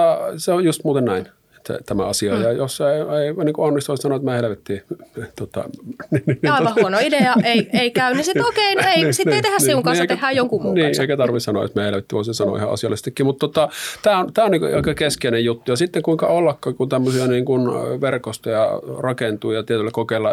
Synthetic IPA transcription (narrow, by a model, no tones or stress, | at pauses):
ɑseojust̪muːt̪enæin | e̥t̪ːæ̰t̪æmæ̰ɑsiɑjɑjosːɑeeˑiniːŋkuonːist̪uissɑnoˑet̪mæhelʋet̪ːit̪ot̪ɑ̰nninɑˑiʋɑhuonoideɑeieikæynnisiokeineisitːeit̪ehæsiuŋkɑseit̪ehˑæːjjoŋkumniːʔeeˑikæt̪ɑrʋissɑno̰o̰t̪meæhelʋet̪ːiʋoˑsesɑno̰ḭhɑ̰ʔɑ̰siɑlːest̪ikːimut̪t̪ot̪ːɑt̪æːont̪æːoniːko̰ɑ̰ikːɑkeskeinejjut̪ːujɑsit̪ːeŋkuiŋkɑolːɑkːɑkunt̪æmːøsiɑniːŋkunʋerkost̪ojɑ̰rɑkent̪uːjɑt̪iet̪ylːekokeˑilːɑ